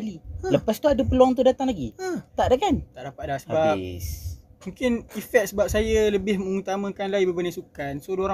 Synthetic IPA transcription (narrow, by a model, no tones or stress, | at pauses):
liləpast̪uadəpəluaŋt̪̬udat̪aŋlaɡḭt̪aʔdakant̪aʔdapat̪̚dasəba | mũŋkɪnifɛt̪̚səbap̚sajələbɪhməŋut̪amə̃kanlaibəbənasukansodooɾa